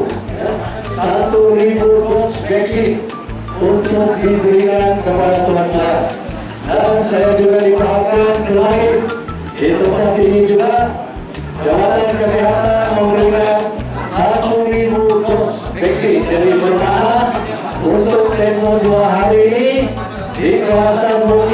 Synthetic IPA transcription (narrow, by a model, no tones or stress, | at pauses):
sat̪uɾibutɔtsbɛksɪt̪̚ | unt̪ʊk̚dibəɾikankəpadat̪uɦant̪aa | dansajad͡ʒuɡadipaɦakankəlaɪt̪ | dit̪ut̪ap̪inid͡ʒuɡaʔ | d͡ʒawat̪ankəsiɦat̪anməmbəɾiŋan | sat̪ulibutɔt̪s | bɛksɪt̪̚daɾibəɾnaɦa | ʔunt̪ʊk̚t̪emɔduaɦaɾiːni | dikawasanbu